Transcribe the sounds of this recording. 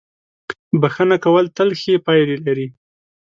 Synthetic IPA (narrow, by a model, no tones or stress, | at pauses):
baxənakawəlt̪əlxepɑjɾelaɾi